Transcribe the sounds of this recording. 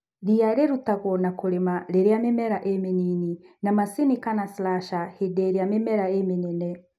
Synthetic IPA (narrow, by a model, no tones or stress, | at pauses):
ɾiaɾeɾutaɣɔnakoɾemaɾeɾeamemɛɾaʔemenininamasinikanaslaʃahedeɾeamemɛɾaemenɛnɛ